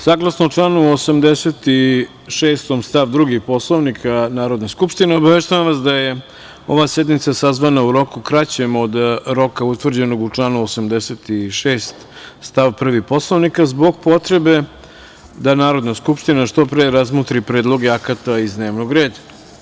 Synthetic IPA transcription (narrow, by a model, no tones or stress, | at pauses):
saːɡlˠasnouʈ͡ʂlˠaːnuosamd̪eset̪i | ʃeːst̪o̞mst̪aʋd̪ɾuɡixpo̞slˠoʋnikʰanaːɾo̞d̪neskupʂt̪ineobaʋeʃt̪ujamʋas̬d̪aje̞ | o̞ʋasjed̪nit̪sasazʋanauɾo̞kukɾat͡ɕe̞mo̞d̪ɾo̞kaut̪ʋr̩d͡ʑe̞no̞ɡut͡ʂlˠaːnuosamd̪ese̞t̪iʃeːst̪ | st̪aʋpr̩ʋipo̞slˠoʋnikazboɡ̚po̞t̪ɾe̞be̞ | d̪anaːɾo̞d̪naskupʂt̪inaʃt̪o̞pɾeɾazmot̪ɾipɾe̞ːd̪lˠo̞ɡeakat̪aizd̪ne̞ːʋnoɡɾe̞ːd̪a